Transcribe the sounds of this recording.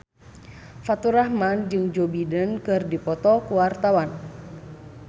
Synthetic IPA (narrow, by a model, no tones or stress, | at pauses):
fat̪uɾahmand͡ʒɨŋd͡ʒobidənkɨrdipɔt̪ɔkuwart̪awan